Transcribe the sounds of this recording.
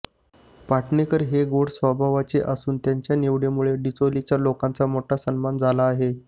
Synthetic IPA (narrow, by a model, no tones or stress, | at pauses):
paʈnekəɾɦeɡoɽsʋəbʱaʋat͡ɕeʔasuːnt̪jaɲt͡ɕjaneʋɽemuɭeɖit͡solit͡ɕjalokãnt͡samoʈʰasənmand͡zʱalaːɦe